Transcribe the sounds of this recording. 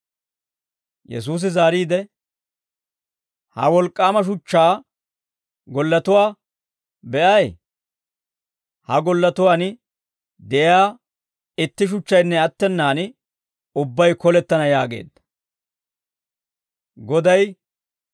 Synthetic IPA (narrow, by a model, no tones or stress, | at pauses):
jɛ̰s̬uːs̬ɪzaːɾiːd̪ɛ | hɐ̰wɔlkʼːaːmɐʃ̬ʊt͡ʃːaː | ɡɔlːɐt̪ʊwaː | bɛʔɐj | hɐɡɔlːɐt̪ʊwaːn | d̪ɛjjaː | ɪt̪ːɪʃ̬ʊt͡ʃːɐjnːɛɐt̪ːɛnːaːn | ʊbːɐjkɔlɛt̪ːɐnɐjaːɡe̞̰ːd̪ːɐ̥ | ɡɔd̪ɐj